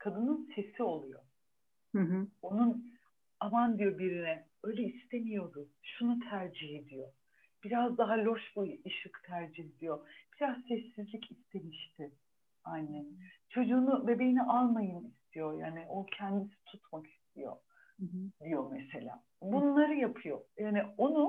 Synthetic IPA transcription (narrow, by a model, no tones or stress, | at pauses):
kʰad̪ɯnɯnse̞sio̞lˠujo̰ | onun | amand̪ijo̞biɾinɛ | ø̞jlʲɛist̪ʰe̞mijo̞d̪ʊʃunut̪ʰæɾd͡ʒiɦe̞d̪ijo̞ | b̥iɾazd̪aɦalʲo̞ʃbuiʃɯkt̪ʰæɾd͡ʒiɦe̞d̪ijo̞b̥iɾazsɛsːizlʲicʰist̪ʰe̞miʃt̪ʰɪ | anːɛt͡ʃʰo̞d͡ʒuːnube̞be̞jiniʔalˠmajɯmist̪ʰijo̞ja̰ːniɪʔocʰɛnd̪isi̥t̪ʰut̪ʰmaki̥st̪ʰijo̞̰ | d̪ijo̞mese̞lʲa̰ː | bunlˠaɾɯjapʰɯjo̞jaːnio̞nu